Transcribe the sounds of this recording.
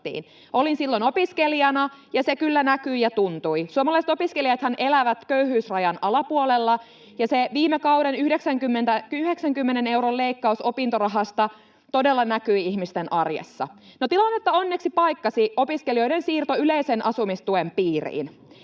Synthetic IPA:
ḭːn | ʔo̞linsilːonopiskeliɑnɑjɑsekylːænækyijɑt̪unt̪uisuomɑlɑjset̪opiskeliɑt̪hænʔelæʋæt̪køyhyːsrɑjɑnɑlɑpuolelːɑ | jɑseʋiːmekɑuɾenyhdeksæŋkymːent̪æyheksæŋkymːenene̞uwɾolleikːɑuso̞pint̪orɑɦɑst̪ɑ | t̪odelːɑnækyiiçmist̪enʔɑrjḛsːɑ̰ | not̪ilɑnːet̪ːɑo̞nːeksipɑjkːɑsio̞piskelio̞ijdensiːrt̪oyleisenʔɑsumist̪uempiːrḭːn

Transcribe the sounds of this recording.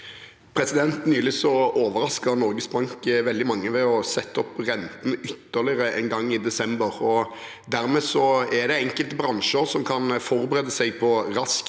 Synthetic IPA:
pʰɾɛsɪd̪ɛnt̪nyːlɪsɔoːʋəɾɑskəɾnɔɾɡəsbʁɑŋkʋɛld̪ɪmɑŋːəʋɛɔsɛt̪ːɔpʁɛnt̪ənʏt̪ːəʁlɪʁəɛ̰nɡɑŋːɪd̪ɛsɛmbəɾɔ | d̪æɾmɛːsɔɛd̪ɛɛŋkəlt̪əbɾɑnʃəɾsɔmkʰɑnfɔɾbəɾeːd̪əsɛɪɡpʰɔɾɑsk

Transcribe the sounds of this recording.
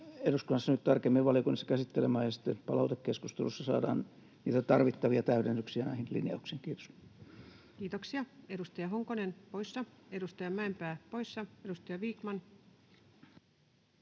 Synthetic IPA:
eduskunːɑsːɑnyt̪t̪ɑrkemːiʋɑliokunːisːɑ̥kæsit̪ːelemæːjɑsi̥t̪ːepɑlɑut̪ekkeskust̪elusːɑsɑ̰ːdɑ̰ːn | niːt̪æt̪ɑrʋit̪ːɑʋiɑt̪æyɾenːyksiænæihinlḭnɑ̰uksiːŋkiːt̪o̥s | kiːt̪oksiɑedust̪ɑjɑɦoŋkonenpojsːɑedust̪ɑjɑmæempæːpojsːɑedust̪ɑjɑʋiːkmɑn

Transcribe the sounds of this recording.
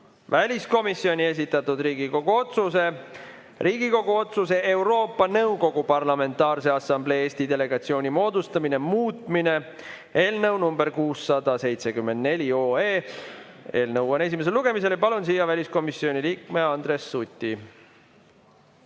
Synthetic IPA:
vælʲisko̞misːio̞nʲie̞s̬ʲit̪ːˑɑt̪ud̪riːɡiko̞ɡ̥uot̪suse̞ | riːɡiko̞ɡ̥uo̞t̪suse̞ʔe̞wɾo̞ːpːˑɑnɤwɡo̞ɡ̥upɑrlɑme̞nt̪ːˑɑːrse̞ɑsɑmble̞ːeːsʲt̪id̪e̞le̞ɡ̥ɑt̪sio̞ːnʲimo̞ːd̪ust̪ɑmine̞muːt̪ˑmine̞ | eːlnɤwnumbe̞rkuːsːɑd̪̥ɑse̞jt̪sekymːe̞nd̪̚ne̞lʲio̞ːeː | e̞ːlnɤwone̞s̬ʲimeselːuɡ̥e̞mis̬e̞ljpɑlunsiːjɑvælʲisko̞misːio̞nʲiliːkme̞ɑnd̪ɾe̞sːut̪ʲːˑi

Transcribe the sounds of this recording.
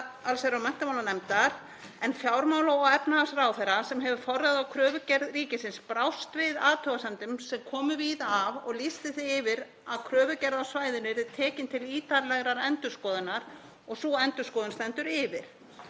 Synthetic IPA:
alseɾawmɛn̥t̪amawlanɛmt̪aɾ̥ | ɛnfjawɾmaːwlaɔɣɛpnaasraːwθɛɾasɛmɦɛvʏfɔraðawkʰɾœːvʏcɛɾðriːcɪsɪnspɾawst̪vɪðaːt̪ʰœɣasɛmt̪ʏmsɛmkʰɔːmʏviːðavɔ̰ɣlist̪ɪθɪɪvɪɾ | aðkʰɾœːvʏcɛɾðasvaːjðʏnɪɾɪt̪ʰɛːcɪnt̪ʰɪliːt̪aɾlɛɣɾaɾɛnt̪ʏ̥skɔːðɪnːaɾ̥ | ɔɣsuɛnt̪ʏskɔːðɪnst̪ɛnt̪ʏɾɪvɪɾ̥

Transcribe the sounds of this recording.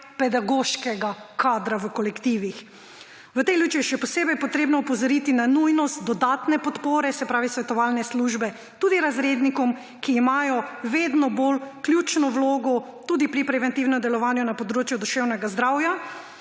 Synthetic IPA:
pɛd̪aɡoʃkɛɡakaːd̪ɾaʋəkɔlɛkt̪iːʋix | ʋət̪ɛjljuːt͡ʃiʃɛpɔseːbɛjpɔt̪ɾeːbnɔupɔzɔɾit̪inanujnɔst̪̚d̪ɔd̪aːt̪nɛpɔt̪poːɾɛsɛpɾaːʋisʋɛt̪ɔʋaːlnɛsluːʒbɛ | t̪uːd̪iɾazɾeːd̪nikɔm | kiːmaːjɔʋed̪nɔbolkljut͡ʃnɔwloːɡɔ | t̪uːd̪ipɾipɾɛʋɛnt̪iwnɔmd̪ɛlɔʋaːnjunapɔd̪ɾoːt͡ʃjud̪ɔʃɛwnɛɡazd̪ɾawja

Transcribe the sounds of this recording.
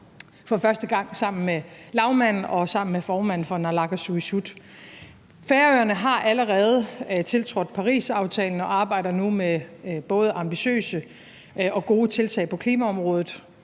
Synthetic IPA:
fɒ̽fɶɐsd̥əɡ̥ɑ̈ŋ̰sɑ̈m̰n̩melɑ̈ʊmæn̰n̩ɒ̽sɑ̈m̰n̩mefɒːmæn̰̩fɒ̽nɑlɑ̈ɡ̥æsuisud̥ | feːɐøːɐnəɦɑ̈ʔæləʁɛːð̞ˠt͡sʰe̝lt͡sʰʁɔ̽d̥ˠpʰɑ̈ʁḭːsɑ̈ʊt͡sʰɛ̰ːln̩ɒ̽ʔɑ̈ːb̥ɑ̈ɪ̰d̥ɐnumeb̥ɔ̽ːð̞̩ˠʔɑ̈mb̥iɕø̰ːsə | ɒ̽ɡ̥o̝ːət͡sʰe̝lt͡sʰɛ̰ɪpʰɒ̽kʰliːmæɒ̽mʁɔ̽ːð̞ˠð̩ˠ

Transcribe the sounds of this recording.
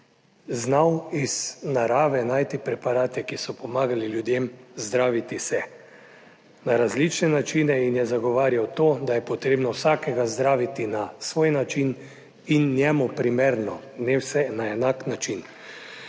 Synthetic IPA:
znawiz̥naɾaːʋɛnaːjt̪ipɾɛpaɾaːt̪jɛkisɔpɔmaːɡaliljud̪jemzd̪ɾaːʋit̪isɛ | naɾazlit͡ʃnɛnat͡ʃiːnɛinjɛzaɡɔʋaːɾjawt̪oːd̪ajɛpɔt̪ɾeːbnɔwsaːkɛɡazd̪ɾaːʋit̪inasʋoːjnat͡ʃin | inːjɛmupɾimeɾnɔ | nɛwsɛnaɛnaknat͡ʃin

